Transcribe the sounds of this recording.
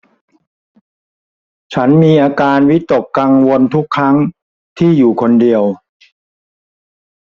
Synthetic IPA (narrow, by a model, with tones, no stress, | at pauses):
t͡ɕʰa˦˥nmiː˧ʔaː˧kaː˧nwi˦˥t̪o˨˩kːa˧ŋwo˧nt̪ʰu˦˥kʰːɾa˦˥ŋ | t̪ʰiː˥˩juː˨˩kʰo˧ndi˧əw